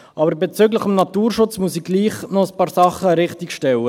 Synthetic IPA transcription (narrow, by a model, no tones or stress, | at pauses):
ʔɑːbəɾbɛt͡sʏɡləχɔmnɑt̪uːrʃʊt͡smuəsiɡliːχnɔəspɑːɾsɑχəɾɪχtikʃtɛwə